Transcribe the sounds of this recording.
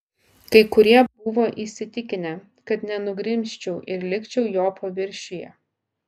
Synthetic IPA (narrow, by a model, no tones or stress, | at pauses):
kɐɪkʊɾʲiɛbʊʋoːʔisʲɪt̪ʲɪkʲɪnʲɛ | kɐt̪nʲɛnʊɡɾʲɪmʲʃʲt͡ʃʲɛʊʔɪɾlʲɪkʲt͡ʃʲɛʊjoːpɐʋʲɪɾʲˑʃʲɪjɛ̰